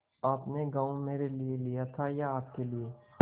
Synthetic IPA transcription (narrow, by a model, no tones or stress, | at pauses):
aːpneɡaːõmeːɾelielijat̪ʰajaːp̚kelie